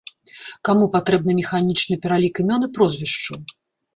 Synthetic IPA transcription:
kamupat̪ɾɛb̚n̪ɨmʲɛxanʲit͡ʂnɨpʲɛɾalʲikɨmʲɔnɨpɾɔzʲvʲiʂt͡ʂu

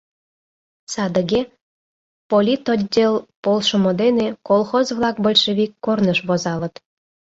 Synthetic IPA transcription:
sɑd̪ə̆ɣe | polʲit̪odʲdʲelpolʃŏmod̪enekolˠxozβlˠɑkbə̆lʲʃəβikːornəʃβozɑlə̆t̪

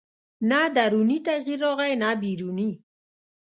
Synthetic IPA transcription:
nad̪aɾunit̪aɣiɾoʁajnabiɾuni

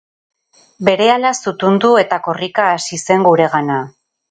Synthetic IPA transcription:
be̞ɾe̞alasut̪und̪ue̞t̪ako̞rikaːsise̞ŋɡuɾe̞ɣana

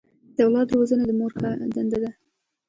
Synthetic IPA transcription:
d̪̥əawlɑt̪ːəɾwozənod̪əmoɾxad̪and̪ad̪a

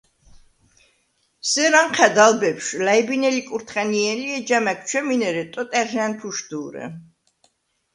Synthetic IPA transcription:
sɛɾaɴqʰɛd̪albɛpʃlaibinɛlikʼuɾt̪ʰχɛniɛliɛd͡ʒamak̚ʰt͡ʃʰwɛminɛɾɛt̪ʼɔt̪ʼɛɾʒant̪ʰuʃd̪uːɾɛ̰

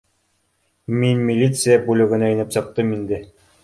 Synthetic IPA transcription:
minmʲilʲit̪sɨjabulɵ̆ɡɘ̆næinɘpsɤ̆q̚t̪ɤmind̪ɘ

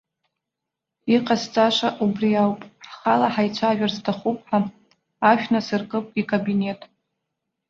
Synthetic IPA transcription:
iqʼast͡sʼaʂʷaʔubriawpʼħχalaħajt͡sʷʰaːʒᶣarstʰaχupʰʼħa | aʃᶣnasɨrkʼɨpʼikʼabine̞tʼ

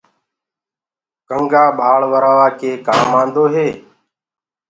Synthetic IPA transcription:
kəŋɡaːɓaːɭʋəɾaːʋaːkeːkaːmːãːnd̪oːɦeː

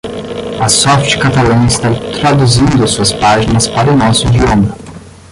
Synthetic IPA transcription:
ɐsɔft͡ʃkat̪alɐ̃ɪst̪at̪ɾad̪uzĩnd̪ʊɐsuɐspaʒinɐspaɾʊnɔsʊd͡ʒiõmɐ

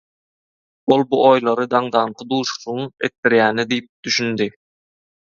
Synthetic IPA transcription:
olˠbuʔojlˠɑɾɯd̪ɑɴd̪ɑɴqʰɯd̪uːʃu̥suɯḛt̪̚ːiɾjæːnid̪ijip̚d̪yʃynd̪i

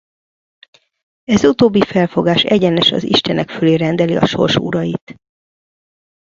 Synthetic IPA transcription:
ɛzut̪oːbːifɛlfo̞ɡaːʃɛɟɛnɛʃɒ̰zḭʃt̪ɛnɛkføleːɾɛnd̪ɛliɒ̰ʃo̞̰rʃuɾɒjit̪

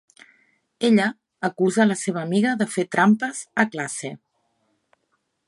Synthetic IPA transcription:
eʎəː | kuzələseβ̞əːmiɣəðəfet̪ɾampəz̥əklase

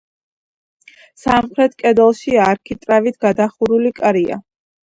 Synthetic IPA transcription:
samχɾɛt̪ʰkʼɛd̪ɛlˠʃiaɾkʰit̪ʼɾavit̪ʰɡ̥ad̪aχuɾulikʼɾia̰

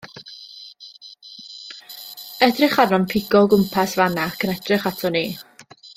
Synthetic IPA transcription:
ɛdrɪχarnɔnpʰɪɡɔɡʊmpʰasvanakʰənɛd̥rɪχatʰɔniː

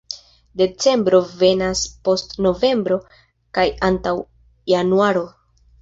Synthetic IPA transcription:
de̞t͡se̞mbɾo̞ve̞naspo̞stno̞ve̞mbɾo̞ | kajantaw | januaɾo̞

